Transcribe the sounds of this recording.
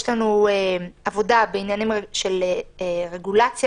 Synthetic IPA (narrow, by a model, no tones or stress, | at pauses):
ʃlanueavo̞dabeinjanimeʃeleeʁe̞ɡulat͡sja